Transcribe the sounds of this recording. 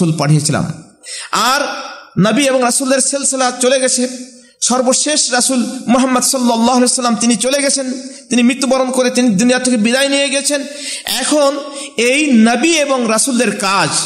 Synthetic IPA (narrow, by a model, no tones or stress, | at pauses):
ulpaʈʰijet͡ɕʰila̰m | aɾnɐbieboŋɾɐsuld̪eɾselselat͡ɕoleɡɛt͡ɕʰe | ʃɔɾboʃeʃɾasulmoɦamːɐd̪sɔlːɔlːaːɦalejsɐlːamt̪init͡ɕoleɡɛt͡ɕʰent̪inimɾit̪ːobaɾonkoɾet̪inid̪unijat̪ʰekebid̪ajnijeɡit͡ɕʰen | ɛkʰon | ejnɐbieboŋɾasuld̪eɾkad͡ʑ